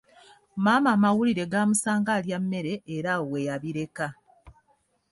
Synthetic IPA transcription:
maːmaːmawuliɾe̞ɡaːmusaːŋɡaljamːe̞ɾe̞ːɾawe̞jaβiɾe̞ka

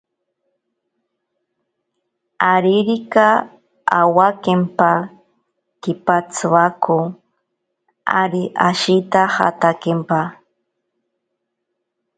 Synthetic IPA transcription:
aɾiɾika | a̰wakempa | kipat͡sʰwakʰu | a̰ɾiʔaʃit̪aha̰t̪akempa

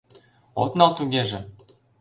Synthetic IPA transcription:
ot̪nɑlt̪uɣeʒĕ

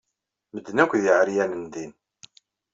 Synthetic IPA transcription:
məd̪ːnækʷðjʕɾjænənd̪in

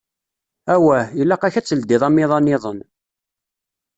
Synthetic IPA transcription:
æwæjəlːæqæçæt͡sːəld̪ɪðˤɑmːɪðˤɑnːɪðˤən

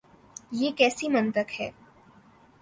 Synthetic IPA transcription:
jekɛːsiːmənt̪əkhɛ̰ː

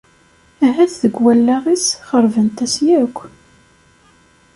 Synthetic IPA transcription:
æɦæθðəɡwælːæʁisχəɾˤvənt̪æsjækʷː

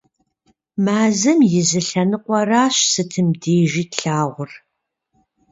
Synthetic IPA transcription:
maːzɨmjɪzɨɬɐnɨqʷʼɔraːɕsɨtʰɨmdeːʒiːtɬaːʁʷʊr

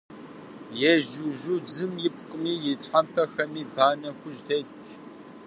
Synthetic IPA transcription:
jɛʒuʒud͡zɨmjɪp̚qʼəmiːjɪtħampʰɐxɐmiːbaːnɐxʷʊʒtʰet | t͡ʃ

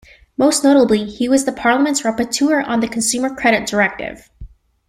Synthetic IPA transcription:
moʊsnoʊɾəblihiwʌzðəpʰɑɹlˠəmɨ̃ntsɹɛpətʰuɹə̰̃nðɨkʰn̩sʉmə˞kʰɹ̥ɛɾɨt̚d̥ə˞ɛk̚tɪ̰v̥

